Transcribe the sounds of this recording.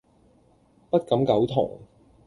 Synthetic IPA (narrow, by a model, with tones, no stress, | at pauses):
pɐ˥t̚kɐ˨˥mkɐ˨˥wt̪ʰʊ̰˨˩ŋ